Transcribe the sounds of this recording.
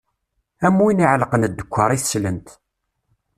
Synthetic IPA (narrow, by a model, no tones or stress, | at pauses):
æmːuiniʕləqənəd̪ːəkʷːəɾˤiθsːlənt̪